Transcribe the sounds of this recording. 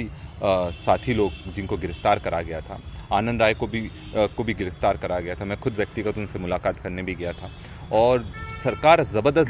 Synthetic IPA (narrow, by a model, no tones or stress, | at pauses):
i | saːt̪ʰiloːɡd͡ʒɪnkoɡɪɾəft̪aːɾkɐɾaɡɐjat̪ʰaaːnə̃nd̪ɾaːjkobʱi | kobʱiɡɪɾəft̪aːɾkɐɾaɡɐjat̪ʰamɛ̃ːxʊd̪ʋjɐk̚t̪iɡət̪ʊ̃nsemʊlaːkaːt̪kɐɾnebʱiɡɐjat̪ʰaː | ɔːɾsɐɾkaːɾzɐbəɾd̪əs